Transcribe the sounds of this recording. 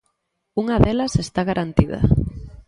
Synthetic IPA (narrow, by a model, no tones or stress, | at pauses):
uŋɐðelɐsest̪aɣaɾʔant̪iðɐ̰